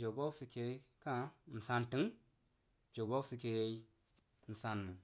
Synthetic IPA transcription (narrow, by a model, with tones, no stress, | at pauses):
d͡ʒo˨bo˦si˧ke˧˦kã˦˨n̩˨sa˧ntɨ˨˦ŋ | d͡ʒo˨bo˦sɨ˧ke˧ji˦ | n̩˨sa˧nːɨ˨